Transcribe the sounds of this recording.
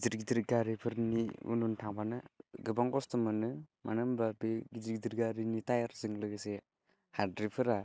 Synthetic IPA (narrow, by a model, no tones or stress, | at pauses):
ɡiziɾɡidiɾɡaɾipʰɯɾniṵnuntʰaŋbanɯɡɯbaŋkɔstɯmɯnɯmanɯmbabeɡiziɾɡidiɾɡaɾinitajaɾzɯŋlɯɡɯse | hadɾipʰɯɾa